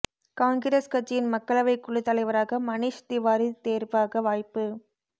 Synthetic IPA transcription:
kaːŋɡɪɾɐskɐʈt͡ʃːɪjɪnmɐkːɐɭɐʋɐɪkːʊɭːɯt̪ːɐlɐɪʋɐɾaːɣɐmɐnɪʂt̪ɪʋaːɾit̪eːɾpaːɣɐʋaːjpːɯ

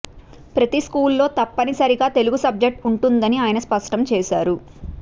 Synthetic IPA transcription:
pɾɐt̪iskuːlːo̞ːt̪ɐpːɐnisɐɾiɡaːt̪e̞luɡusɐb̚d͡ʒek̚ʈuɳʈund̪ɐniaːjɐnɐspɐʂʈɐmt͡ʃɛːʃaːɾu

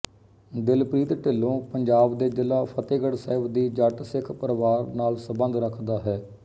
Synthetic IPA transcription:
d̪ɪlpɾiːt̪ʈɪlːõːpəɲd͡ʒaːbd̪eːd͡ʒɪlːaːpʰət̪eːɡəɽsəːɪbd̪iːd͡ʒaːʈsɪkʰpəɾʋaːɾnaːlsəbə̃nd̪ɾəkʰd̪aːɦɛː

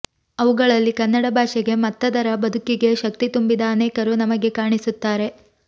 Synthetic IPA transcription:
ɐʋuɡɐɭɐlːikɐnːɐɽɐbʱaːʂɛɡe̞mɐt̪ːɐd̪ɐɾɐbɐd̪ʱukiɡe̞ʃɐk̚t̪it̪umbid̪ɐːneːkɐɾunɐmɐɡe̞kaːɳisut̪ːaːɾe̞

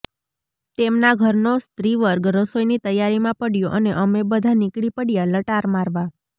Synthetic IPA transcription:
t̪emnaɡʱəɾnost̪ɾiʋəɾɡɾəsojnit̪əjaɾimãpəɽjoʔəneʔəmebəd̪ʱanɪkɽipəɽjaləʈaɾmaɾʋa

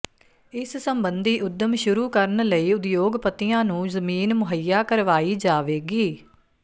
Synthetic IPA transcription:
ɪssəmbənd̪iːʔʊd̪ːəmʃʊɾuːkəɾəɳləiːʊd̪joːɡpət̪ːɪjãːnũːzəmiːnmʊɦəjaːkəɾʋaːiːd͡ʒaːʋeːɡiː

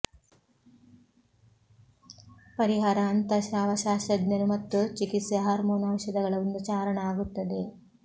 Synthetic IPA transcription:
pɐɾiɦaɾaːnt̪ɐʃaːʋɐʃaːʃɐɡnɐnumɐt̪ːut͡ʃikit̪seɦaːɾmoːnaːmʃɐd̪ɐɡɐɭɐʋond̪ut͡ʃaːɾɐɳɐaːɡut̪ːɐd̪e̞

